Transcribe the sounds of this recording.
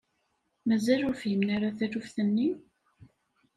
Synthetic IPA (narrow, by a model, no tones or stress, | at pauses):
mæzælʊɾfjəmnaɾaθæɾufθənːi